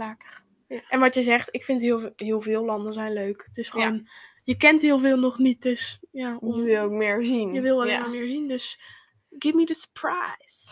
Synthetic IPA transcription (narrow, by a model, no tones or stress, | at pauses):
lakə | ʔɛnʋɑtjəzɛχtɪkfɪntɦɪlˠhɪːəlˠvɪːlˠlɑndənzɛjnløɥkətɪsχon | jəkɛntɦɪːlˠvɪːlˠnɔχnit̚døsjaːɪlˠokmɪɹzinjəʋɪlˠəmɪːɹzindøs | ɡ̥ɪvmidəsə̥pʰɹajs